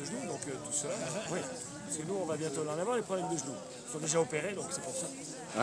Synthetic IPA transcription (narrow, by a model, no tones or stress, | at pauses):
əʒnud̪ɔ̃køt̪usəlawi | paʁskənuɔ̃vabjɛ̃t̪olɛ̃d̪amɔ̃ʁlepχɔblɛmd̪əʒnu | i̥sɔ̃d̪eʒaopeʁed̪ɔ̃ksɛpusa